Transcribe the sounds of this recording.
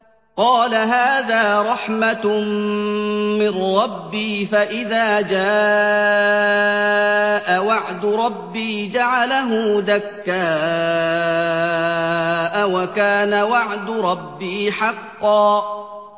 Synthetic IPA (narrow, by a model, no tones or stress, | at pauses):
qɑːlaɦaːðaːɾˤɑħma | mɪrːɑbːiːfaʔɪðaːd͡ʒaː | ʔawaʕd̪ʊɾˤɑbːiːd͡ʒaʕalaɦʊːðakːaː | ʔawakaːnawaʕd̪ʊɾˤɑbːiːħɑqːɑː